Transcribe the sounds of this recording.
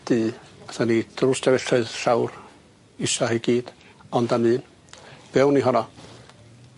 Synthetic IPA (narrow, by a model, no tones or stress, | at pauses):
d̥ɨaθanid̥rʊsdʰɛvɛɬɨɨðɬawr | isɔhiɡ̥iːd̥ | ɔndamɨːn | b̥ɛwniɦɔnɔ